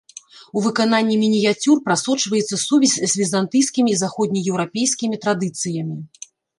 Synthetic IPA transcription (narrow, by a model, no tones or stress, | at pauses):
uvɨkananʲːimʲinʲijat͡sʲurpɾasɔt͡ʂvɐjɛt̪sːɐsuvʲisʲzʲvʲizant̪ɨjskʲimʲizaxɔd̪ʲnʲijɛwɾapʲejsʲkʲimʲit̪ɾad̪ɨt̪sɨjɐmʲi